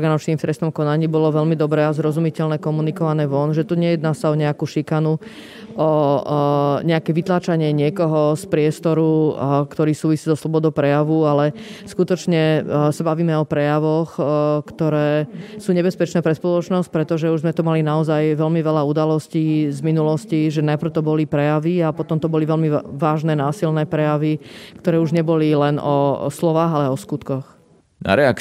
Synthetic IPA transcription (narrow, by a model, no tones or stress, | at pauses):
ɔɾɡanɔt͡ʃniːmft̪ɾɛst̪ɔmkɔnaɲiːbɔlɔʋɛlmid̪ɔbɾɛazɾɔzumicɛlnɛkɔmunikɔʋanɛːʋɔnʒɛt̪uɲɛjɛd̪naːsaɔɲɛakuʃikanu | ɔ | ɲɛakɛːʋit̪laːt͡ʃaɲɪɛɲɪɛkɔɦɔspɾɪɛst̪ɔɾukt̪ɔɾiːsuːʋisiːzɔslˠɔbɔd̪ɔʊpɾɛjaʋualɛskut̪ɔt͡ʃɲɛsabaʋiːmɛɔpɾɛjaʋɔxkt̪ɔɾɛːsuːɲɛbɛspɛt͡ʃnɛːpɾɛspɔlɔt͡ʃnɔsc̚pɾɛt̪ɔʒɛuʒzmɛt̪umalinaɔzajʋɛlmiʋɛʎaud̪alɔsciːzminulɔsciʒɛnajpr̩ʊt̪ɔbɔlipɾɛjaʋiapɔt̪ɔmt̪ɔbɔliʋɛlmiʋaːʒnɛːnaːsilnɛːpɾɛjaʋikt̪ɔɾɛːuʒɲɛbɔlilɛnɔslɔʋaːɣalɛɔskut̪kɔx | na̰ɾɛak